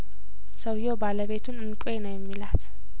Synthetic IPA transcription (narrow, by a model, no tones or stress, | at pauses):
səwjo̞baləβe̞t̪ʰunɨnkʼenəwjɛmːilat̪